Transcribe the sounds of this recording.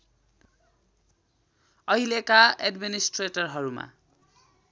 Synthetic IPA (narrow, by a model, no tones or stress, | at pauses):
ʌɦilekaeɖminisʈreʈʌrɦʌɾuma̰